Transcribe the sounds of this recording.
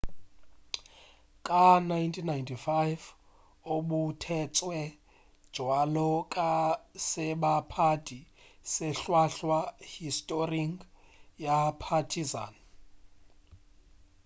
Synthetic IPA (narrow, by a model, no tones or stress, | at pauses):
kʼanajntʰʼinːajntʰʼifajv | oɓutʰɛt͡sʼwɛ | d̥ʒ̥ʱwalɔkʼasɛɓapʰadʼʱisɛɬwaɬwahistʼoriŋɡ | japʰatʰiza̰ːn